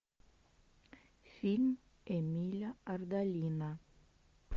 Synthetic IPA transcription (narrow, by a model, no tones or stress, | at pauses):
film | emilaaɾd̪alina